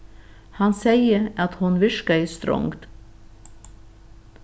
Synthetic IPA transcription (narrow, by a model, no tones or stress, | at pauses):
hɑnsæɪəɑt̪hʊnʋɪʃkəɪst̪ɾɔ̰ŋɡt̪